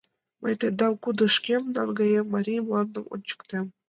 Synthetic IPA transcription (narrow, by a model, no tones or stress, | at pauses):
mɑjt̪ʲɤd̪ɑmkud̪ɤ̆ʂkʲemnɑ̰nɡɑjemɑɾʲijmlˠɑnd̪ɤ̆mṵnt͡ɕɤ̥̆kt̪ʲem